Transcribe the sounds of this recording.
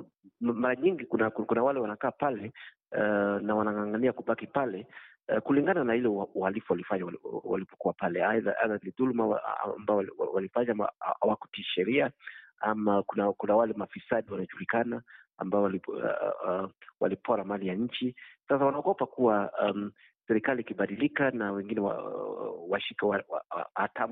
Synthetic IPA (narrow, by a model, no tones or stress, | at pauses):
maɾaɲiŋɡikunakukunawalɛwanakaːpalɛ | nawanaŋaŋɡaniakuɓakipalɛ | kuliŋɡananahilɛuuhalifuwalifaɲawwa̰lipɔkuwapalɛaða̰ʔa̰ðaniðulma̰mbaɔwa̰walifaɲama̰awaku̥tiʃɛɾiaamakunakunawalɛmafisaɗiwanaʄulikana | a̰mbaɔwali | wa̰lipʰɔɾamalijaɲ̩t͡ʃisas̬awanaɔɡɔpakuwaam | sɛɾikaliːkiɓaɗilikanawɛŋɡinɛwa̰ | waʃikɛwaa̰atam